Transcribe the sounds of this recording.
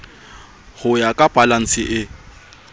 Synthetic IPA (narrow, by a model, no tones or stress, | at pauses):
hʊjakʼab̥alan̩sɪʔɪ